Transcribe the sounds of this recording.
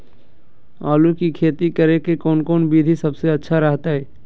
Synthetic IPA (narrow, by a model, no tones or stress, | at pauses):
aːlukikʰeːt̪ikəɾekekɔːnkɔːnbiːd̪ʱisɐbseɐtːʃʰaɾɐɦt̪aɦɛː